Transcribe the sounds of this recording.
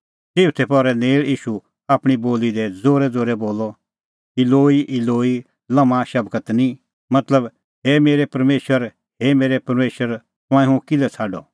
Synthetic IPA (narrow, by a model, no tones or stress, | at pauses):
seːʊt̪ʰɛpɔɾɛneːɭiːʃu | aːpɽ̃iboːlid̪ɛd͡zoːɾɛd͡zoːɾɛboːlɔ | ɪloːiʔɪloːi | lɐmãʃɐbkət̪nĩ | mɐt̪ləb | hɛmeːɾɛpɐɾmeːʃəɾ | hɛmeːɾɛpɐɾmeːʃəɾ | t̪ʊ̃ãːĩɦũkɪlɛt͡sʰaːɖɔ̰